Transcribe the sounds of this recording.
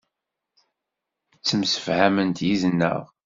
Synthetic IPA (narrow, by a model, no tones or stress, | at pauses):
t͡sːəmsə̥fhæmənt̪ʰjizənːə̰ʁ